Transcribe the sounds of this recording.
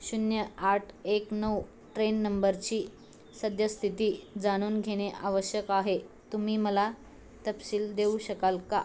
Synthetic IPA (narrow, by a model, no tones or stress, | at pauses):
ɕunjəaʈʰeknəw | ʈɾenːəmbəɾt͡ɕiː | səd̪ʱjəst̪ʰit̪iːd͡zaɽ̃uːnɡʱeɽ̃eʔaʋəɕjəkaɦet̪um̤iːməla | t̪əpsiːld̪euɕəkalka